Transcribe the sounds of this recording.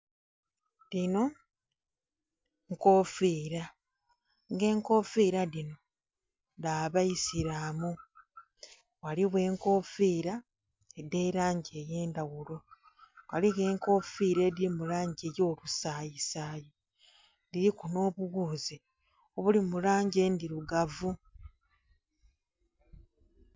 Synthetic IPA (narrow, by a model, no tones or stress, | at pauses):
lino̞ | ŋko̞fiːɾa | ŋɡe̞ːŋko̞fiɾaðino̞ | ðaβaisiɾamu | ɣwaliβwe̞ːŋko̞fiːɾa | ede̞ːɾaːɲɟe̞je̞ːndaɣulo̞ | waliɣe̞ːŋko̞ːfiːɾe̞ːdiɾimulaːɲɟeːjo̞ːlusaːjisaːje | diɾikuno̞ːβuɣuːze | oβulimulaːɲɟe̞ndiɾuɡavu